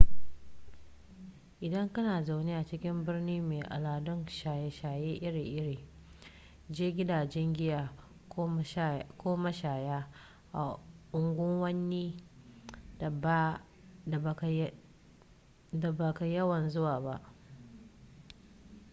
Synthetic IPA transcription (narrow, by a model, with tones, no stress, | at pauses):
ʔɪ˨dɐ˦ŋkɐ˦naː˨za˨wnɪ˦ʔa˨t͡ʃɪ˦kʲɪ˦mbɪ˦rniː˦meː˨ʔa̰˨laː˨dʊ˦nʃa˨jɛ˦ʃaː˨jeː˦ʔɪ˦ɾiː˨ʔɪ˦ɽiː˨ | d͡ʒeː˦ɡʲɪ˦daː˨d͡ʒɛ˦ŋɡʲɪ˦jaː˨˦ | kʷoː˦ma˦ʃaː˨jaː˦ | ʔa˨ʔʊ˨ŋɡʷʊ˦ŋwɐ˦nːiː˦˨˦ | da˨ba˨ka˨jɐ˦wɐ˨nzʊ˦waː˨ba˦ʔ